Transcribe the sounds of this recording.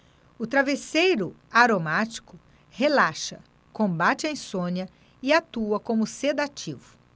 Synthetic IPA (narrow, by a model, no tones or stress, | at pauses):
ʊt̪ɾavesejɾʊ | aɾomat͡ʃi̥kʊ | helaʃɐ | kõbat͡ʃɪɐĩsõniɐ | ɪat̪uɐkõmʊsed̪at͡ʃivʊ